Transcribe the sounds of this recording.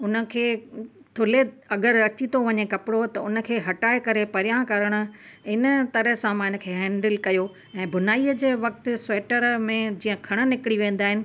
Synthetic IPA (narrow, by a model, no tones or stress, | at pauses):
ʊnə̆kʰeːt̪ʰʊle | ɐɡəɾɐt͡ɕit̪ʰoʋɐɲekɐpɪɽot̪ɐʊnə̆kʰeːɦɐʈaːekɐɾepɐɾjãkɐɾəɽ̃ʊ̆ | ɪnə̆t̪ɐɾəɦsãmãɪnə̆kʰeːɦɛ̃ːɳɖəlkɐjo | ɛ̃ːbʱʊnaːiəd͡ʑeːʋɐk̚t̪ʊseːʈəɾmẽd͡ʑiːə̃kʰɐɽ̃ə̆nɪkɪɽiʋẽːn̆d̪aːɦɪnɪ̆